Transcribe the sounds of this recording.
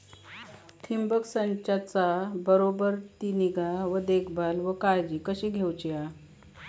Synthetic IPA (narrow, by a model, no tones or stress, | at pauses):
t̪ʰimbəksəɲt͡ɕat͡sabəɾobəɾt̪iniɡaʋəd̪ekʰbalʋəkajd͡ʑiːkəɕiːɡʱewt͡ɕia